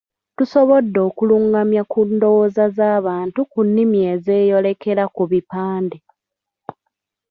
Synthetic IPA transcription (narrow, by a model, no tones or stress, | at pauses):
tuso̞βo̞dːo̞ːkuluŋɡamjakundo̞wozazaːβaːntukunːimie̞ze̞ːjo̞le̞ke̞ɾakuβipaːnde